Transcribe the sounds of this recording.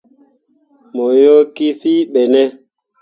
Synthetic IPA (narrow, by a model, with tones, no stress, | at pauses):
mo˨jo˦ki˦fi˦ɓɛ˨nɛ˦